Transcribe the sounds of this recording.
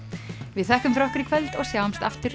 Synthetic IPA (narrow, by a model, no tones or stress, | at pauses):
vɪðθɛhkʏmfɾɔhkʏɾikʰvɛlt̪ɔɣsjaːwamst̪aft̪ɪɾ